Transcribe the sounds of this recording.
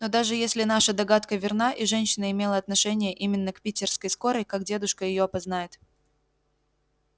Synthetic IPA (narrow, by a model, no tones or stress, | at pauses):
nod̪aʐɨjesʲlʲɪnaʂəd̪ɐɡat̪kəvʲɪrnaʔiʐɛnʲɕɪnəɪmʲe̞lˠəɐt̪nɐʂɛnʲɪjəʔimʲɪnːəkpʲitʲɪrskəjsko̞ɾəjkakdʲe̞d̪ʊʂkəjɪjo̞ɐpɐznajɪt̪